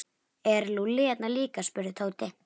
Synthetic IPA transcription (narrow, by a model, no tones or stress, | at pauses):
ɛɾlulɪɛt̪naliːkaspʏɾðɪt̪ʰoːwt̪ɪ